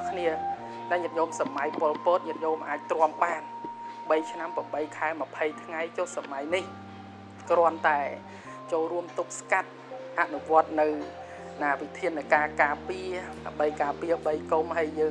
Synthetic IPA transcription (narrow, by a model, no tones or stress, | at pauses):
kʰniə | naɲət̪̚joːmsamajpŏəlpɔːt̪̚ɲəət̪̚joːmʔaːc̚t̪rŏəmɓaːnɓəjt͡ɕʰnampamɓəjkʰaɛmə̆pʰəjt̪ʰŋajt͡ɕoːhsamajnih | krŏənt̪aɛ | t͡ɕoːlruəmt̪uk̚skat̪̚ʔaʔnuʋŏət̪̚nɨw | naːʋit̪ʰiənːɨkaːkaːpiəɗamɓəjkaːpiəɓəjkumɦəjːəː